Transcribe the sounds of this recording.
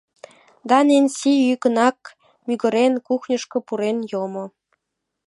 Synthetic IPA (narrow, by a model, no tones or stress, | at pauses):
d̪ɑnensiykənɑk̚ | myɡə̆ɾenkuxnʲə̆ʃkŏpuɾenjomŏ